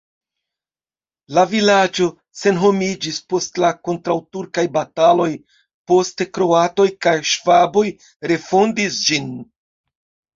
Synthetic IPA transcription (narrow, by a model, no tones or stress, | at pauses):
lavilad͡ʒo̞ | se̞nɦo̞mid͡ʒispo̞stlako̞ntɾawtuɾkajbatalo̞j | po̞stekɾo̞ato̞jkajʃvabo̞j | ɾe̞fo̞ndisd͡ʒin